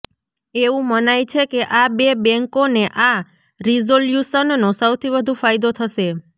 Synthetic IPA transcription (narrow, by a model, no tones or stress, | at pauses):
eʋũmənajt͡ʃʰekeʔabebɛ̃ŋkoneʔa | ɾizoljuʃənːosəwt̪ʰibəd̪ʱũfajd̪ot̪ʰəʃe